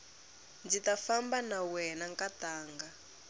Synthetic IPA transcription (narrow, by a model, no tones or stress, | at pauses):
nd͡zitafambanawɛnaŋkataːŋɡa